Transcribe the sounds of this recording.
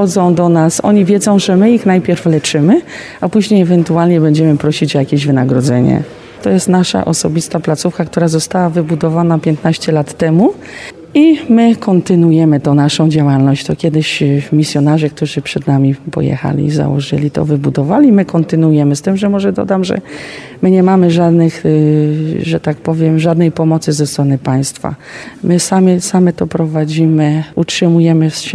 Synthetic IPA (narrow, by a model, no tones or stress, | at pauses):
ɔd̪zɔ̃w̃d̪ɔnasɔ̰ɲivʲjɛd̪zɔ̃w̃ʐɛmɘixnajpʲjɛɾflɛt͡ʂɘmɘ | apuʑɲejɛvɛnt̪ualɲɛbɛɲd͡ʑɛmɘpɾɔɕit͡ɕɔjakʲeʑvɘnaɡɾɔd̪zɛɲɛ̰ | t̪ɔjɛst̪naʂa̰ʔɔ̰sɔbʲist̪aplat̪sufkakt̪uɾazɔst̪awavɘbud̪ɔvanapʲjɛnt̪naɕt͡ɕɛlat̪ːɛmu | imɘkʰɔnt̪ɘnujɛmɘt̪ɔ̃naʂɔ̃w̃d͡ʑawalnɔɕt͡ɕt̪ɔkʲjɛd̪ɘɕmʲisʲjɔnaʐɛk̚t̪uʐɘpʂɛd̪namʲipɔ̰jɛ̰xa̰lʲḭza̰wɔ̰ʐɘ̰lʲit̪ɔ̰vɘbud̪ɔvalʲimɘkɔnt̪ɘnujɛmɘst̪ɘmʐɛmɔʐɛd̪ɔ̰d̪amʐɛ̰ | mɘɲɛmamɘʐad̪nɘx | ʐɛt̪ak̚pɔvʲjɛmʐad̪nɛjpɔmɔt̪sɘzɛst̪ɾɔnɘpaj̃st̪fa̰mɘsamʲisamɛt̪ɔpɾɔvad͡ʑimɘutʂɘmujɛmɘ